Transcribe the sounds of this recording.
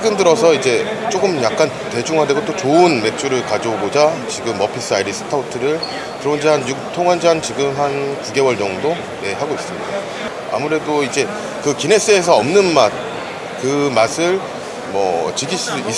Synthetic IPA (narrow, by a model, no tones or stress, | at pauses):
ɡɯndɯɾʌsʰʌid͡ʑe̞t͡ɕ͈oɡɯmjak̚k͈an | te̞d͡ʑuŋɦadeɡot͈ot͡ɕoɯnme̞t͡ɕ͈ʰuɾɯɭkad͡ʑoɡod͡ʑat͡ɕiɡɯmʌpʰis͈ʰaiɾisʰɯ̥tʰautʰɯɾɯɭ | tɯɾond͡ʑiɦanjuk̚tʰoŋɦand͡ʑant͡ɕiɡɯmɦankuɡe̞wʌɭɲʌŋdo | je̞ɦaɡois͈ɯmɲida | a̰muɾe̞doid͡ʑe̞ | kɯkine̞s͈ɯes̬ʰʌʌmnɯnmat̚ | kɯmasʰɯɭ | mʌ̰t͡ɕɯɡis͈ui